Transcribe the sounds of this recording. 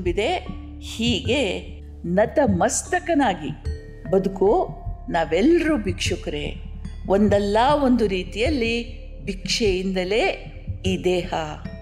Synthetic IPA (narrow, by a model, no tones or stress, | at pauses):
mbid̪e̞ | hiːɡe̞ | nɐt̪ɐmɐst̪ɐkɐnaːɡi | bɐd̪ukonaːʋɛlːɐɾuːbʱikʂukɐɾḛond̪ɛlːaːo̞nd̪uɾiːt̪ijɐlːi | bʱikʂejind̪ɐle̞ː | iːd̪eːha